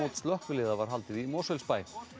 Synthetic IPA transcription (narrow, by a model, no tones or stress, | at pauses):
oːt̪st̪lœhkvʏlɪːðavaɾ̥ɦalt̪ɪðimɔsœlspaːj